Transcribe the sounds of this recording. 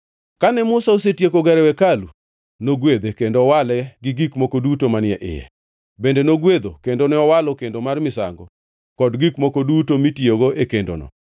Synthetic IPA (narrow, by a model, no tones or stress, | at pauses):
kanɛmʊsaosetjekoɡɛɾɛwɛkalu | noɡwed̪ekendoɔwalɛɡɪɡikmokodutomanɪɛʔɪ̰jɛ̰ | bendenoɡwed̪okendonɛɔwalɔkendomarmɪsa̰ŋɡɔ̰ | kɔdɡikmokodutomitioɡoekendo̰nɔ̰